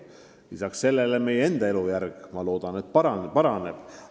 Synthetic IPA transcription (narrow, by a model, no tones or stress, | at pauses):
lisɑksːe̞lːeleme̞jeend̪̥ɑe̞lujærɡ̥mɑlo̞ːd̪̥ɑnet̪ːˑpɑɾɑnpɑɾɑneb̥